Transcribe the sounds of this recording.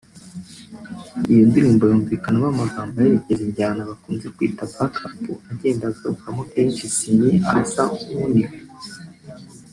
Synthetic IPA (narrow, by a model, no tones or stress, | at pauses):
ijondiɾiːmbajoːɱviːkanaβamaɡaːmbajeβiɟeziɲɟaːnaβakuːnzekwiːtabatatuaɟe̞ːndaɡaɾukamokeːnt͡ʃisiɲiaasaumuniko